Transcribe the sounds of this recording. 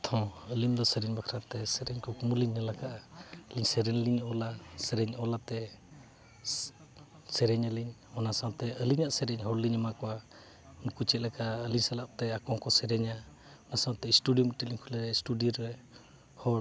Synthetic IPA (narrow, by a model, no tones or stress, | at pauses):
t̪ʰɔ̃əlimd̪ɔsɛɾɛɲbakʰɾat̪ɛsɛɾɛɲkɔkumuliɲnəlakaʔaliɲsɛɾɛnliɲɔlasɛɾɛɲɔlat̪ɛ | sɛɾɛɲəliɲɔnasawt̪ɛəliɲaʔsɛɾɛɲɦɔɾliɲəmakɔwa | nkut͡ʃɛt̪̚lɛkaʔəliɲsalaʔ̚t̪ɛakɔŋkɔsɛɾɛɲa | ɔnasawt̪ɛisʈudiɔməʈiliɲkʰulɛɾɛsʈudiɾɛ | hɔ